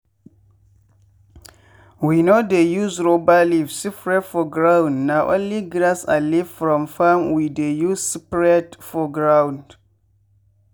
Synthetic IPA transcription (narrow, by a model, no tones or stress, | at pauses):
winodejuzɹobalivsipɹɛtfɔɡɹawndnawʔõ̰nliɡɾasa̰livfɾɔ̃mfamwidejuzsipɹɛtfɔɡɹãwnd